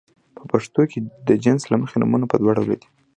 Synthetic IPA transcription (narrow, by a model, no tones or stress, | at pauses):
pʰəpaʂt̪okʰed̪əd͡ʒɪnslaməxenṵmunapəd̪waɽawla̰d̪i̥